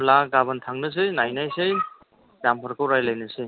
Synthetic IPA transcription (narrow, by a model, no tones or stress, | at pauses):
laɡabɯntʰaŋnɯs̬ɯnajnajsej | ɡampʰaɾkʰɯwɾajlajnɯsɯ